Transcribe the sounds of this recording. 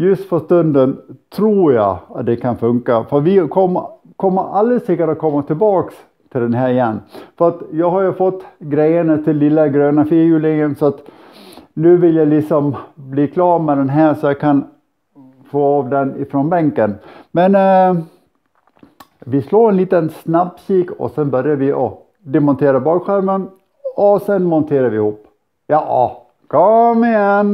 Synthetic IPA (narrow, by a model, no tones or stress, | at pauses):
jɵst̪fœʂt̪ɵnd̪ənt̪ʰɾuːɾjɑ̰at̪̚d̪ɛkʰanfɵŋkafœɾvɪkʰɔmːə | kʰɔmːəɾald̪ɾəsɛkːəʈat̚kʰɔmːat̪ʰɪlbɑːks | t̪ʰɪld̪ɛnɦæːɾɪjɛnːfœɾat̪jɑːɡɦaɾjʉfɔt̪ːɡɾɛjənat̪ʰɪlːɪlːaɡɾøːnafiːɾjʉːlɪŋənsɔat̪ | nʉ̟ːvɪljalɪksɔmbliːkʰlɑːɾmɛd̪ɛnɦæːsɔjɑkʰan | foːɑːvd̪ɛnɪfɾɔnbɛŋkənmɛn | vɪsloːɾɛnliːt̪ənsnabsiːkɔ̰sɛnbœɾjaɾvɪʔɔ | d̪ɛmɔnt̪ʰeːɾabɑːlɧæɾvən | ɔsɛnmɔnt̪ʰeːɾaɾvɪhuːpː | jɑʔɑ | kʰɔmːɪjɛn